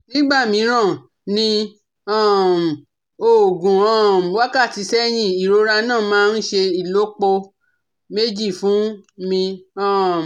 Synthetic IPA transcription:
nĩ˦ɡ͡ba˦˨mĩ˨˧˦ɾ̃ã˦˨ | nĩ˧ | a˦˨m˨ | o˨ɡũ˨ɔ̃˦˨m˨wa˦ka˦˨ti˨˧sɛ˦j̃ĩ˦˨i˨ɾo˨˦ɾa˧nãː˦˨mãː˦n̩˦ʃe˧i˨lo˦k͡po˧ | me˦d͡ʒi˦˨fũ˨˦mĩ˧ã˦˨

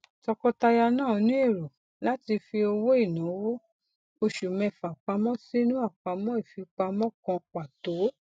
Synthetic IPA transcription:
tɔ˧kɔ˧˦ta˧ja˧nãː˦˨˦nĩ˦e˦˨ɾo˨ | la˦ti˧fi˧o˧wo˦i˦˨nã˨˦wo˦ | o˧ʃu˨mɛ̃˨˧˨fa˨k͡pa˧˦mɔ̃˦si˦nũ˦a˦˨k͡pa˧mɔ̃˦i˦˨fi˧k͡pa˧mɔ̃˦kɔ̃˧k͡pa˨to˨˦

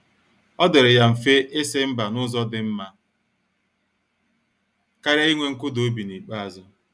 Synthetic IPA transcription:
ɔ˦dɪ˨ɾɪ˨ja˦m̩˨fe˦ʔɪ˦sɪ˦m̩˦ba˨nʊ˦zɔ˦dɪ˦m̩˦ma˦ | ka˦ɾa˦i˦ŋʷe˦ŋ̩˦kʊ˦do˨˦bi˨ni˨k͡pa˦a˨zɔ˦

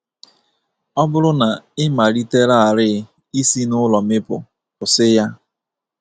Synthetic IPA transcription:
ɔ˦bʊ˦ɾʊ˦na˨ɪ˦ma˨ɾi˦te˦ɾa˦˨a˨ɾɪ˦ | i˦si˦nʊ˦lɔ˨mɪ˦pʊ̰˨ | pʊ˨sɪ˦ja˦

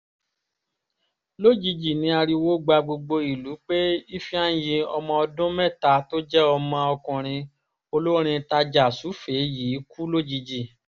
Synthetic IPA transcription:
lo˦˨d͡ʒi˧d͡ʒi˨nĩ˧˦a˧ɾi˧wo˦ɡ͡ba˧ɡ͡bo˧ɡ͡bo˧i˨lu˨˦k͡pe˦i˦fi˦ã˦jĩ˧ɔ˧mɔ̃˧ɔ˧dʊ̃˦mɛ̃˦˨ta˨˦to˦d͡ʒɛ˦ɔ˧mɔ̃˧ɔ˧kɔ̃˨ɾ̃ĩ˧ | o˧lo˦ɾ̃ĩ˧ta˧d͡ʒa˨su˨˦fe˨˦jiː˨˦ku˦lo˦˨d͡ʒi˧d͡ʒi˨

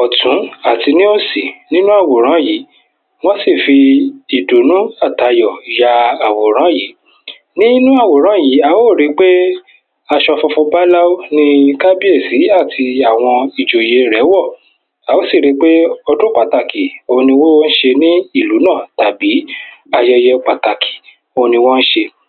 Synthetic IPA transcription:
ɔ˨tũ˨˦a˦˨ti˧nĩ˦o˦si˨nĩ˦nũ˦a˦˨wo˨ɾ̃ã˨˦jiː˨˦ | w̃ɔ̃˦si˦˨fi˧i˨do˨nũ˦a˦˨ta˧jɔ˨ja˧a˨wo˨ɾ̃ã˨˦ji˨˦ | nĩ˦nũ˦a˦˨wo˨ɾ̃ã˨˦ji˨˦a˨˦wo˦˨ɾi˧˦k͡pe˦ | a˧ʃɔ˧fɔ˧fũ˧ba˦la˦o˦nĩ˦ka˦bi˦e˦˨si˨˦a˦˨tʰi˧a˨w̃ɔ̃˧i˨d͡ʒo˨je˧ɾɛ˨˦wɔ˦˨ | a˨wo˦˨si˦˨ɾi˨˦k͡pe˦ɔ˧dõ˦k͡pa˦˨ta˨ki˨o˧nĩ˧wo˦wo˦n̩˦ʃe˧nĩ˦i˦˨lu˨˦nã˦˨ta˨bi˨˦a˧jɔ˧jɛ˧k͡pa˨ta˨kʰi̥˨ | o˧nĩ˧wɔ˦n̩˦ʃe˧

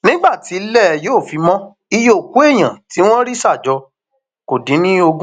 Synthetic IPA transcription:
nĩ˦ɡ͡ba˦˨ti˨˦lɛ˦˨joː˦˨fi˧mɔ̃˦ | i˧jo˦˨ku˨˦e˦˨j̃ã˨ti˨˦w̃ɔ̃˦ɾi˦sa˦˨d͡ʒɔ˧ | ko˨dĩ˨˦nĩ˦o˧ɡũ˦

